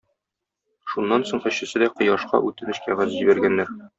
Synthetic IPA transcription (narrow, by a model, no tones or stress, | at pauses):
ʃunːɑnsoɴχɘ̆ɕːɘ̆sɘd̪æqɤ̆jɑʃqɑ̰ʔʉt̪ɘ̆nɘ̆ɕkæʁæzʑʑibæɾɡænːæɾ